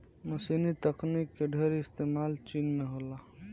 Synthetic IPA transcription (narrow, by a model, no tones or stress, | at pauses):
mɐsiːnit̪ɐqnikːeɖʱeɾɪst̪eːmaːlt͡ʃiːnmẽɦoːlaː